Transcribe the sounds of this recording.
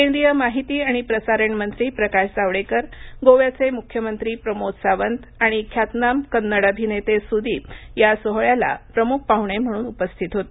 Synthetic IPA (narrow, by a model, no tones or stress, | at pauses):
kend̪ɾijəmaɦit̪iːaɽ̃ipɾəsaɾəɳmənt̪ɾiːpɾəkaɕd͡zaʋɭekəɾɡoʋjat͡semukʰjəmənt̪ɾiːpɾəmod͡zsaʋənt̪aɽ̃ikʰjat̪namkənːəɽəbʱinet̪esud̪ʱiːjasoɦɭjala̰pɾəmuk̚pauʋɳ̃em̤əɽ̃uːnupəst̪ʰit̪ɦot̪e